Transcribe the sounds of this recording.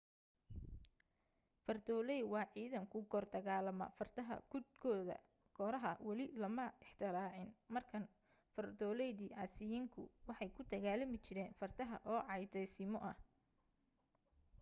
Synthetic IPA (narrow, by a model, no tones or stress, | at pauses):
fɐrd̪ɔːlɛjwɑːʕiːðɐŋkʰʊɡɔːrd̪ɐɣaːlɐmɐ̰fɐrt̪ʰɐɦɐ̰ɡʊd̪̚kʰɔːðɐ̰ | ɡʰɔːɾɐɦɐwɑlɪlɐmɐɪħt̪ʰɪɾaːʕɪnmɐrkʰɐn | fɐrd̪ɔːlɛjðiːʔasɪjiŋkʰʊ̰wɑħɑjkʰʊd̪ɐɣaːlɐmɪt͡ʃɪɾɛːnfɐrt̪ʰɐɦɐ̰ʔɔːʕɑjd̪ɛjsɪmɔʔɐh